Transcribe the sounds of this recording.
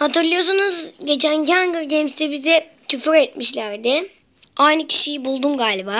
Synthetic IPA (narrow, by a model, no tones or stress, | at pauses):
hat̪ɯɾlˠɯjos̬unuzɟe̞t͡ʃʰæncʰanɡɯɾɟemst̪ibizɛ | t̪ʰyfyɾet̪̚miʃlʲæɾd̪ɪ | ajnɯcʰi̥ʃijibulˠd̪umɡaːlʲibaː